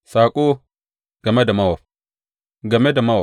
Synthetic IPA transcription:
sa˨kʼo˦ | ɡ̥a˨me˦da˨ma˦wo˨ | ɡa˨me˦da˨ma˦wo˨

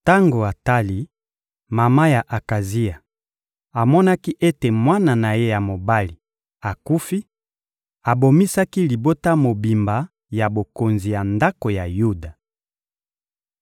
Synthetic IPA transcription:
ta˦ŋɡo˨a˨ta˦li˨ | ma˨ma˦ja˨ʔa˨ka˨zi˦a˨ | a˨mɔ˦na˦ki˦ʔe˦te˨mwa˦na˨na˨je˦ja˨mo˨ba˦li˨ | a˨ku˦fi˦ | a˨bo˨mi˦sa˦ki˦li˨bo˦ta˦mo˨bi˨mba˨ | ja˨bo˨ko˨nzi˨ja˨nda˦ko˨ja˨ju˦da˨

